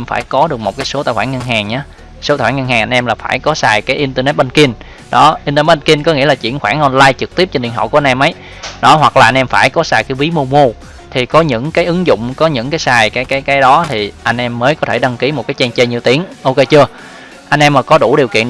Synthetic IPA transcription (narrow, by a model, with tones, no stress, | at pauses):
mfa̰ː˧˩jkɔ˨˦ɗɨ˨˩ək̚mo˨˩t̚kaː˨˦jso˨˦t̪a̰ː˧˨jxwaː˧˩ŋɲə˧nɦaː˨˩ŋɲaː˨˦ | so˨˦taː˨˩waː˧˩ŋ˧ə˧nhaː˨˩ŋʔa˧ŋnʔɛ˧mlaː˨˩faː˧˩jkɔ˨˦saː˨˩jkaː˨˦jʔi˧nt̪ə˧nɛ˦˥t̚ɓə˧nki˧n | ɗɔ˨˦ʔi˧t̪ə˧nɛ˦˥ɓə˧nki˧nkɔ˨˦ŋḭ˧˥əlaː˨˩t͡ɕḭ˧˨ənxwaː˧˩ŋʔɔ˧nlaː˧jt͡ɕɨ˨˩k̚t̪i˦˥p̚t͡ɕɔ˧nɗḭ˧˨ənɦə̰˧˨wku˧˩˧nʔɛ˧mʔə˨˦j | nɔ˨˦hwa˨˩k̚laː˨˩ʔa˧nʔɛ˧mfaː˧˩jkɔ˨˦saː˨˩jkaː˨˦jvi˨˦mo˧mu˧ | t̪ʰi˨˩kɔ˨˦ɲɨ̰˧˥ŋkaː˨˦jʔɨ˨˦ŋzʊ̰˧˨ŋ͡mkɔ˨˦ɲɨ̰˧˥ŋkaː˨˦jsaː˨˩jkaː˨˦jkaː˨˦jkaː˨˦jɗɔ˨˦t̪ʰi˨˩ʔa˧jŋ̟ʔɛ˧mːəː˨˦jkɔ˨˦t̪ʰe˧˩ɗə˧ŋki˨˦mo˨˩t̚kaː˨˦jt͡ɕɛ˧nt͡ɕə˧jɲi˨˩˨əwt̪i˨˦əŋʔo˧ke˧jt͡ɕɨ˧ə | ʔa˧jŋ̟ʔɛ˧mːaː˨˩kɔ˨˦ɗu˧˩ɗi˨˩wkḭ˧˨ən